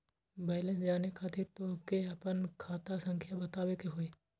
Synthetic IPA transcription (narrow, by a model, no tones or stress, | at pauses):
bɛːlə̃nsd͡ʒaːnekʰaːt̪ɪɾt̪okeɐpənkʰaːt̪asə̃ŋkʰjabɐt̪aːʋekeɦoeː